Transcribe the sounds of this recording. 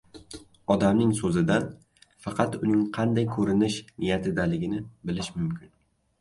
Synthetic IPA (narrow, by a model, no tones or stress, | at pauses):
ɒd̪amnɪŋsɵzɪd̪an | fɑqʰɑt̪ʊnɪŋqʰɑnd̪ajkʰɵɾɪnɪʃnɪjat̪ʰɪd̪alɪɡʲɪnɪbɪlɪʃmʊmkʲʰɪn